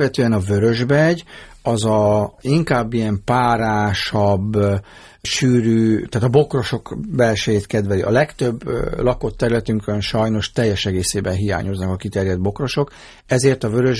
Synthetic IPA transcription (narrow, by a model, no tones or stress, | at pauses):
ʋɛt̪øːɛnɒvøɾø̞ʒbɛɟ | ɒzɒiŋkaːbːijɛmpaːɾaːʃɒbː | ʃyːɾyːt̪aːt̪ɒbo̞kro̞ʃo̞kbɛlʃɛjeːt̪kɛd̪vɛliʔɒ̰lɛkt̪ø̞bːlɒko̞t̪ːɛɾylɛt̪yŋkønʃɒjno̞ʃt̪ɛjːɛʃɛɡeːseːbɛnɦija̰ːɲo̞znɒkɒkit̪ɛɾjɛd̪̚bo̞kro̞ʃo̞k | ɛzeːrt̪ɒvø̞ɾøʒ